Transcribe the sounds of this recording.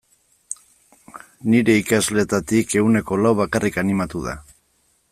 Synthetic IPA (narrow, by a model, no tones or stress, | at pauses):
niɾe̞ikazle̞t̪at̪ike̞ɣune̞ko̞lawβakarʔikanimat̪uða̰